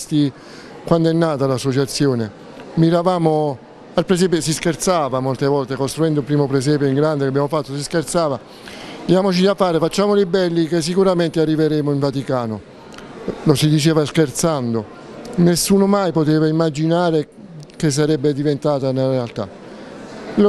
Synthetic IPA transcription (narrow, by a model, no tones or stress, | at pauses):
st̪i | kwand̪oɛnːaːt̪alasːot͡ʃat̪sːjoːne | miɾavaːmo | alpɾes̬ɛːp̬josiskert̪saːvamolt̪evɔlt̪ekost̪ɾuɛnd̪opɾiːmopɾes̬ɛːpjoiŋɡɾand̪ekabːjaːmofat̪ːosiskert̪saːva | d̪jaːmot͡ʃid̪afaːɾefat͡ʃːaːmolibɛlːikes̬ːikuɾament̪earːiveɾɛmoiɱvat̪ikaːno | losid̪it͡ʃeːvaskert̪sand̪o | nesːuːnomajpot̪eːvaimːad͡ʒinaːɾe | kes̬ːaɾɛbːed̪ivent̪aːt̪anelaɾealt̪a̰ | l